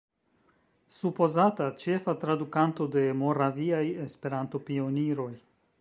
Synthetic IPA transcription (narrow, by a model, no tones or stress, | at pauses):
supo̞zatat͡ʃe̞fat̪ɾadukanto̞de̞mo̞ɾaviajespe̞ɾant̪o̞pio̞niɾo̞j